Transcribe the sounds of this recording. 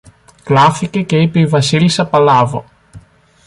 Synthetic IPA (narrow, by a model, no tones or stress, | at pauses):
klafikekejpejvasilsapalaːvo̰